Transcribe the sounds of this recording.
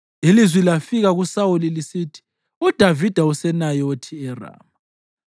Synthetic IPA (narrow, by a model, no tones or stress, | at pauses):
ilizwilafiɣaɣusaulilisitʰi̥ | ud̥ʱavid̥ʱausɛnajotʰiɛra̰ːma